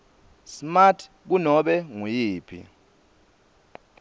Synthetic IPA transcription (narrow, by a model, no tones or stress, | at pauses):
smatʰ | k̬unɔɓɛŋujiːpʰḭ